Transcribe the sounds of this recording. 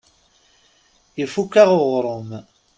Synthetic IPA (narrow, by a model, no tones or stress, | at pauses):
jifukːaʁoʁɾˤom